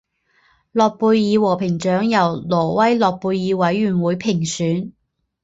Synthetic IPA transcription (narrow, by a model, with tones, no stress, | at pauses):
lɔː˨k̚puː˧jjiː˨˧wɔː˨˩pʰɪ˨˩ŋt͡ʃœː˨˥ŋjɐ˨˩wlɔː˨˩wɐ˥jlɔː˨k̚puː˧jːiː˨˧wɐ˨˥jːyː˨˩nwuː˨˥jpʰɪ˨˩ŋsyː˨˥n